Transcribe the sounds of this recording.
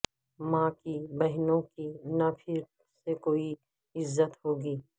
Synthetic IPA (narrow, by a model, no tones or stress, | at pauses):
mãːkibɐɦnõkinapʰɪɾ | sekoːi | ɪzːət̪ɦoːɡiː